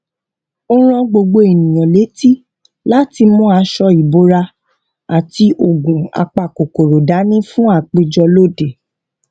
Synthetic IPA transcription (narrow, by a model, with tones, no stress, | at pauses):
o˦ɾ̃ɔ̃˧ɡ͡bo˧ɡ͡bo˧e˨nĩ˨j̃ɔ̃˨le˨˦ti˦ | la˦ti˧mũ˦a˧ʃɔ˧i˨bo˨˦ɾa˧ | a˨ti˧ʔo˨ɡũ˨a̰˧k͡pa˨ko˨ko˨ɾo˨da˨˦nĩ˦fũ˦a˦˨k͡pe˧d͡ʒɔ˧lo˦˨de˨